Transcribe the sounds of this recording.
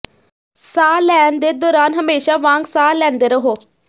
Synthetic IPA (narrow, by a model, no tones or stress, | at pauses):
saːlɛːnd̪eːd̪ɔːɾaːnɦəmeːʃaːʋãːŋɡsaːlɛ̃ːnd̪eːɾəɦoː